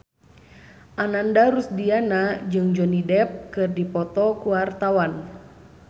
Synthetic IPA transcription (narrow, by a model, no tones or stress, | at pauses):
ʔanandaɾusdianad͡ʒɨŋd͡ʒɔnidɛp̚kɨrdipɔt̪ɔkuwart̪awan